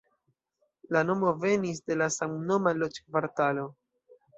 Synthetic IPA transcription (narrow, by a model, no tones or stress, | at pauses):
lano̞mo̞ve̞nis̬de̞lasaŋno̞malot͡ʃkvaɾtalo̞